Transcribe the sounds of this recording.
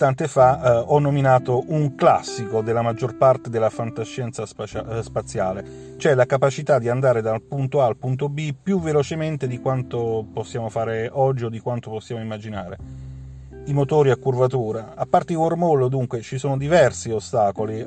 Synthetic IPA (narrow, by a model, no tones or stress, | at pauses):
t̪ant̪efaɔnːominaːt̪oʔuŋklasːikod̪elːamad͡ʒːorpart̪ed̪elːafant̪aʃːɛnt̪sasaspat̪sːjaːle | t͡ʃoɛlakapat͡ʃit̪ad̪iand̪aːɾed̪alpunt̪oalpunt̪̬obipjuvelot͡ʃement̪ed̪ikwant̪oposːjaːmofaːɾeɔd͡ʒːiod̪ːikwant̪oposːjaːmoimːad͡ʒinaːɾḛ | imot̪oːɾiakːurvat̪uːɾaapːart̪ewormolːod̪uŋkwet͡ʃisoːnod̪ivɛrsiost̪aːkoli